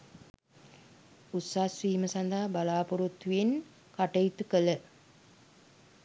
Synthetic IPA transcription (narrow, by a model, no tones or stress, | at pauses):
ut̪saːsʋiːməsɐnd̪aɦabalaːpuɾut̪ːuen | kaʈɐjit̪ukələ